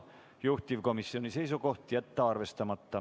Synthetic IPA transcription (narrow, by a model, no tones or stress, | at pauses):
juht̪ivko̞misːio̞nise̞jsuko̞ht̪jæt̪ːɑɑrve̞st̪ɑmɑt̪ːɑ